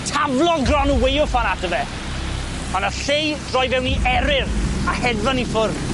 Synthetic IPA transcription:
tʰavlˠɔlɡrɔnuwejʊfanatəvɛ | ɔnəɬejd̥rɔjvɛwniʔɛɾɪrahɛdvɔnifʊr

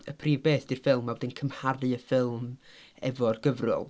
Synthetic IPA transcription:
əpʰriːvbeːθd̥irfɪlˠmːawdɪnkʰəmharɨəfɪlˠm | ɛ̰vɔrɡəvrʊ̰lˠ

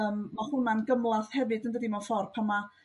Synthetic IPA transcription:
əːmːahʊnmanɡəmlˠaθhɛvɨdəndədimɔfɔrpʰama

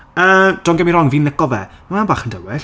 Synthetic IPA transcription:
əːd̥ɔnɡɛmiɾɔŋviːnəkɔvɛmamanbaːχəndəwɛɬ

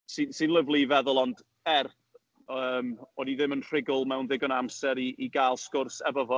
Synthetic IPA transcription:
sɨnsɨnlˠəvlˠivɛðʊlˠɔnd | ɛrθ | əːmɔniðɪmənʰr̥ɪɡʊlˠmɛwnðɪɡɔnamsɛɾiʔiɡaːlˠskʊrsɛbɔvɔ

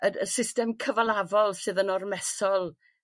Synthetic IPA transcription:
əə̰sɪstɛmkʰəvalˠavɔlˠsɨːðənɔrmɛsɔlˠ

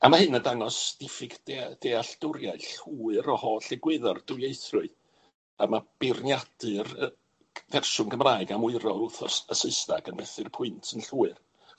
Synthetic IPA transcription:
amahɨnədaŋɔsd̥ɪfɪɡdd̥eaɬd̥ʊɾjaɨɬuːɨɾɔhɔɬɛɡwɪðɔrd̥ʊjejθrʊɨ | amab̥ɪrnjad̥ɨr | vɛrʃʊnɡəmraːɨɡamʊɨɾɔʊθɔ̰səsəɨstaɡənbɛθɨrpʰʊɨntʰənɬuːɨr

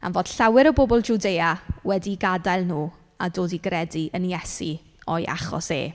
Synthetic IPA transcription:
a̰nvoːd̥ɬawɪɾəbobɔlˠd͡ʒudeːawɛdiɡadajlˠnuː | adoːdiɡrɛdiʔənjɛsi | ɔjʔa̰χɔ̰sḛː

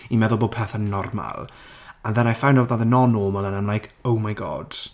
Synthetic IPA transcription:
imɛðʊlˠboːpʰeθənnːɔrma̰lˠaðɛnajfawnawðaðənɔnoːməlˠənamlˠajkʰowmajɡɔ̰ːd̥

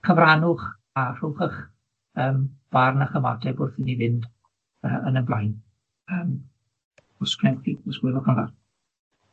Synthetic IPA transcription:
χʰəvranʊχ | ar̥uːχəχ | əːmv̥arnaχəma̰dʰɛbʊrθənivɪnd | əʔənənblˠajn | əːm | ʊskʰrɛnθiɔsɡ̥wɛlɔχanva̰r

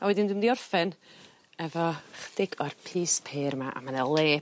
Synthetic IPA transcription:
awɛdɪnduɨmdiɔrfɛn | ɛvɔχd̥ɪɡɔrpʰiːspʰeːɾmaʔa̰manɛlˠeː

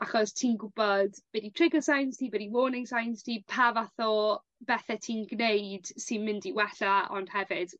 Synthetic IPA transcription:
aχɔstʰiːnɡʊbɔdb̥ɛditʰrɪɡəsajnstʰiːbɛdiwoːnɪŋsajnstʰiːpʰavaθɔ | bɛθɛtʰiːnɡnejd̥sɪnmɪndiwɛɬaɔ̰nd̥hɛvɪd̥

